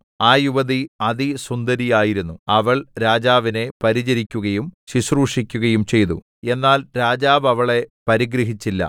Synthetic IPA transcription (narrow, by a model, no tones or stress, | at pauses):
aːjuʋɐðiɐðisund̪ɐɾijaːjiɾunːuɐʋɐɭɾaːd͡ʑaːʋine̞pɐɾid͡ʑɐɾikʲːuɣɐjumɕisruːʂikʲːuɣɐjumt͡ɕe̞jt̪u | e̞nːaːlɾaːd͡ʑaːʋɐʋɐɭe̞pɐɾiɡɾɐɦit͡ɕːilːɐ̰